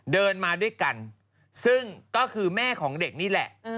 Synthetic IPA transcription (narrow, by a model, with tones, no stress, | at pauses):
dɤː˧nmaː˧du˥˩əjka˧n | sɯ˥˩ŋkɔː˥˩kʰɯː˧mɛː˥˩kʰɔː˩˦ŋde˨˩k̚niː˥˩lɛ̰˨˩ʔ